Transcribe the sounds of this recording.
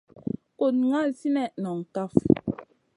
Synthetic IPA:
ko˨t̚ŋa˦˨si˦nɛ˦˨ʔnɔ˨ŋ˨ka˦˨f

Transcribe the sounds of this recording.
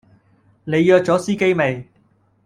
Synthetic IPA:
ne˨˧jjœː˧k̚t͡sɔː˨˥siː˥ke˥jme˨˧j

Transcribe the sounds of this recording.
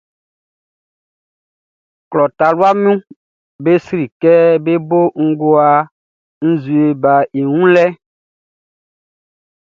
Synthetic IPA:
klɔ˨ta˨lwa˦mũ˦ | be˦sɾi˨kɛ˦be˦bo˦ŋ̩˦ɡo˦a˨ | n̩˦zu˨e˨ba˨e˨ŋũ˦lɛ˦

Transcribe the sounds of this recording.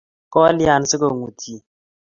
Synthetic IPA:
kɔ˦li˦a˨n˨˦sɪ˦ko˨ŋu˨tʰi˦˨

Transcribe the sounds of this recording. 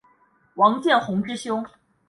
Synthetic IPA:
wɑ˧˥ŋt͡ɕjɛ˥˩nxʊ˧˥ŋʈ͡ʂɻ̩˥ɕjʊ˥ʊ

